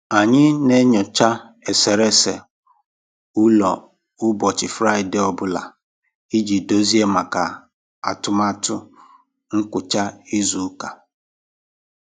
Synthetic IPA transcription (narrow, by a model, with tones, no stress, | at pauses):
a˨ɲɪ˦ne˦ɲɔ˨t͡ʃa˦ | e˨se˨ɾe˦se˨ | ʊ˦lɔ˨ | ʊ˦bɔ˨t͡ʃɪ˨fɾa˦ɪ˨de˦ɔ˨bʊ˦la̰˨ | i˦d͡ʒi˨do˦zi˦e˦ma˨ka˨ | a̰˨tʊ˦ma˦tʊ˦ | ŋ̩˦kʷʊ˨t͡ʃa˦i˦zu˨˦ka˨